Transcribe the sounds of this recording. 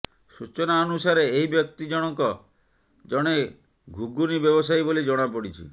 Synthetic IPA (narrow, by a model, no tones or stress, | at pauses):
sut͡ʃɔnaɔnusaɾeːɦibjɔk̚t̪id͡ʒɔɽ̃ɔkɔ | d͡ʒɔɽ̃e | ɡʱuɡunibjɔbɔsajbolid͡ʒɔɽ̃apɔɽit͡ʃʰḭ